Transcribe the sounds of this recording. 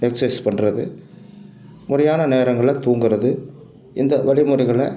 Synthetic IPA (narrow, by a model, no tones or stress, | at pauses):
nɛksespɐɳːrɐðɯ | mʊrɐjaːnɐneːɾɐŋɡɐɭɐt̪uːŋɡɪɾɐðɯ | ɪnd̪ɐʋɐɭɪmɯrɐɪɣɐɭɐ